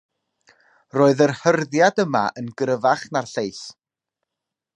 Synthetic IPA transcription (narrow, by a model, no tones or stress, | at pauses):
roːɨðərhərðjadəma̰ʔənɡɾəvaχnarɬejθ